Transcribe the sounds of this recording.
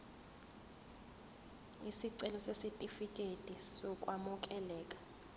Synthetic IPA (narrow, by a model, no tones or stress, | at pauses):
isiǀɛlɔsesitʼifikʼetʼisɔkʼwamuk̬ʼɛlɛːkʼḁ